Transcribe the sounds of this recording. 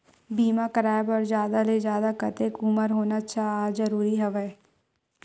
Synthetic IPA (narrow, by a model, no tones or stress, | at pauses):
biːmakəɾaːbɔɾzjaːd̪aled͡ʒjaːd̪akɐt̪ekʊməɾɦoːnat͡ʃʰaaːzəɾuːɾiɦɐʋɛː